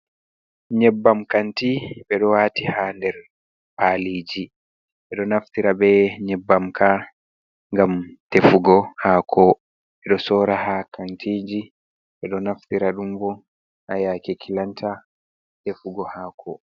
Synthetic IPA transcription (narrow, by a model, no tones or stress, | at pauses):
ɲɛbːamkantiɓɛɗɔwaːtihandɛɾ | paliːd͡ʒi | ɓɛɗɔnaftiɾabɛɲɛbːamkʰa | ŋɡamtefuɡɔhaːkʰɔ | ɓɛɗɔsɔːɾahakantʰiːd͡ʒi | ɓɛɗɔnaftiɾaɗumbɔ | hajakekʰilantʰa | tefuɡɔhaːkʰɔ